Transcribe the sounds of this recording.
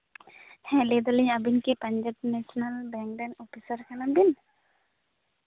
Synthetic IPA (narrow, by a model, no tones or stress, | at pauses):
hɛ̃lid̪ɔliɲabinkipaɲd͡ʒab̚nɛsɔnalbɛŋ̚danɔpisərkanabin